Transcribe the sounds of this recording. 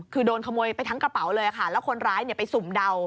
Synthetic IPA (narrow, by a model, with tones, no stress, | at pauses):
kʰɯː˧doː˧nkʰa˧muː˧əjpa˧jt̪ʰŋkɾa˧pa˩˦wlɤː˧ja˨˩kʰa˥˩lɛː˦˥wkʰo˧nɾaː˦˥jni˧˩ɐpa˧jsu˨˩˦mda˧w